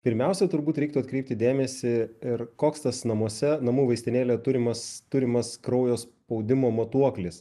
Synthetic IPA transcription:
pʲɪɾʲmʲɛʊsʲɛt̪ʊɾbuːt̪ɾɛɪk̚t̪uɐt̪kɾʲɛɪp̚ʲt̪ʲɪd̪ʲeːmʲɛsʲɪɪɾkoːkst̪ɐsnɐmuɔsʲɛnɐmuːʋɐɪst̪ʲɪnʲeːlʲet̪ʊɾʲɪmɐst̪ʊɾʲɪmɐskɾɐʊjoːspɐʊd̪ʲɪmoːmɐt̪uɔklʲɪs

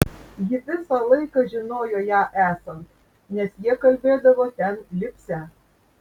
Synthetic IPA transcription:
jɪʋʲɪsɑlˠɐɪkɐʒʲɪnoːjojɑːʔæːsɐnt̪ | nʲɛsjiɛkɐlʲbʲeːd̪ɐʋot̪ʲɛnlʲɪpʲsʲæ

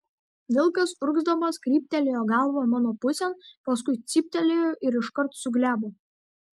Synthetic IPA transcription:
ʋʲɪlˠˑkɐsʊɾɡzd̪ɐmɐskɾʲiːpʲt̪ʲɛlʲejoːɡɑˑlˠʋoːmɑːnoːpʊsʲɛnpɐs̬kʊɪt̪sʲiːpʲt̪ʲɛlʲejoʔɪɾɪʃkɐɾt̪sʊɡlʲæːboː

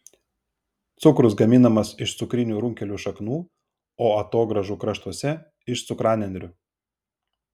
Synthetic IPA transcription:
t̪sʊkɾʊsɡɐmʲɪnɐmɐsɪʃt̪sʊkɾʲɪnʲuːɾʊŋʲkʲɛlʲuːʃɐknuː | oːɐt̪oːɡɾɐʒuːkɾɐʃt̪uɔsʲɛ | ɪʃt̪sʊkɾɑːnʲɛnd̪ʲɾʲʊ

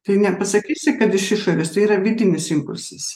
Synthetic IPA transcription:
t̪ɐɪnʲɛpɐsɐkʲiːsʲɪkɐt̪ɪʃɪʃoːɾʲeːst̪ɐɪiːɾɐʋʲɪd̪ʲɪmʲɪsɪŋpʊlʲsʲɛs

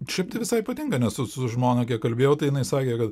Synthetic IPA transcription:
ʃʲɛɪp̚t̪ɐɪʋʲɪsɐɪpɐt̪ʲɪŋɡɐnʲɛssʊsʊʒmoːnɐkʲiɛkkɐlʲbʲeːjɛʊt̪ɐɪjɪnɐɪsɑːkʲekɐt̪

